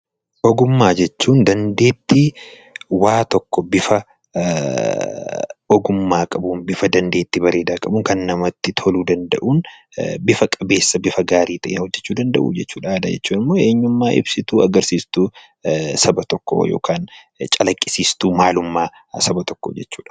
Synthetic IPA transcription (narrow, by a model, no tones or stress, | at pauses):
ʔɔɡʊmːaːd͡ʒɛt͡ʃːuːnd̪ɐnd̪e̞ːt̪ːɪ | waːt̪ɔkːɔbɪfɐ | ɔɡʊmːaːkʼɐbʊnbɪfɐd̪ɐnd̪e̞ːt̪ːɪbɐɾe̞ːd̪aːkʼɐbʊŋkɐnːɐmɐt̪ːɪt̪ʰɔluːd̪ɐnd̪ɐʔuːn | bɪfɐkʼɐbe̞ːsːɐbɪfɐɡaːɾiːt̪ɐʔeːhɔd͡ʒːɛt͡ʃːuːd̪ɐnd̪ɐʔṵd͡ʒɛt͡ʃːuːᶑaːd̪ɐd͡ʒɛt͡ʃːuːnɪmːoːe̞ːɲːʊmːaːʔɪ̰bsɪt̪uːɐɡɐɾsiːst̪uː | sɐbɐt̪ɔkːɔ̰jo̰ːkʰaːn | t͡ʃʼɐlɐkʼːɪ̥siːst̪uːmaːlʊmːaː | sɐbɐt̪ɔ̥kːɔ̰d͡ʒɛt͡ʃːuːᶑɐ̥